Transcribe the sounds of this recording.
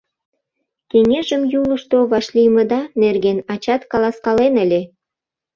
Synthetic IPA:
keŋeʒəmjuləʃt̪oβɑʃlʲijmə̆d̪ɑnerɣenɑt͡ɕɑt̪kɑlɑskɑlenə̆lʲe

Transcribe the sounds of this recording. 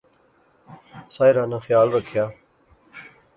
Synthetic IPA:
saːjɾaːnãːxjaːlɾəkʰjaː

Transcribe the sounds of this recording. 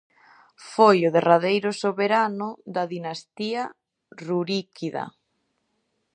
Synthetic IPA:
fojʊðeraðejɾʊsoβeɾanʊðaðinast̪ia | ruɾikʰiðɐ̰

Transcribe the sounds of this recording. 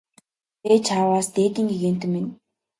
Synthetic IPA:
eːt͡ɕʰaːwaːst̪eːt̪iːŋɡeɣeːn̥t̪ɘ̆men

